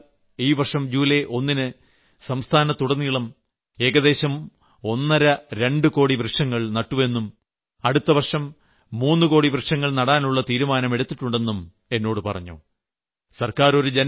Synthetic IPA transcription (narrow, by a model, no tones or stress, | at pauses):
iːʋɐrʂɐmd͡ʑuːleʔo̞nːinɨ | sɐmst̪ʰaːnɐt̪uɽɐnːiɭɐm | e̞ːɡɐðe̞ːɕɐm | o̞nːɐɾɐɾe̞ɳɖɨko̞ːɽibrɨʂɐŋːɐɭnɐʈːuʋe̞nːum | ɐɽut̪ːɐʋɐrʂɐmː | uːnːɨko̞ːɽibrɨʂɐŋːɐɭnɐɽaːnuɭːɐt̪iːɾumaːnɐme̞ɽut̪ːiʈːuɳɖe̞nːum | e̞nːo̞ːɽɨpɐ̰rɐ̰ɲːṵ | sɐrkaːɾo̞ɾud͡ʑen